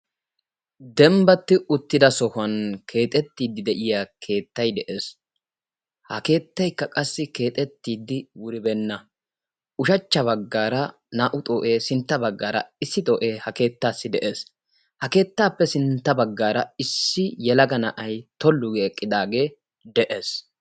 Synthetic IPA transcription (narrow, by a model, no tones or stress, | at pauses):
d̪ɛmbɐt̪ːɪʔʊt̪ːɪd̪ɐsɔhʊɐnkʰe̞ːt̪ʼɛt̪ːiːd̪ːɪd̪ɛʔɪjakʰe̞ːt̪ːɐjd̪ɛʔe̞ːs | hɐke̞ːt̪ːɐjkːɐkʼɐsːɪke̞ːt̪ʼɛt̪ːiːd̪ːɪwʊɾɪbɛnːɐ | ʊʃɐt͡ʃːɐβɐɡːaːɾɐ | naːʔʊt̪ʼoːʔe̞ːsɪnt̪ːɐbɐɡːaːɾɐ̰ɪsːɪt̪ʼoːʔe̞ːhɐke̞ːt̪ːaːsːɪd̪ɛʔe̞ːs | hɐke̞ːt̪ːaːpːɛsɪnt̪ːɐbɐɡːaːɾɐɪsːɪjɛlɐɡɐnɐʔɐjt̪ɔlːʊɡːkʼːɪd̪aːɡe̞ː | d̪ɛʔeːs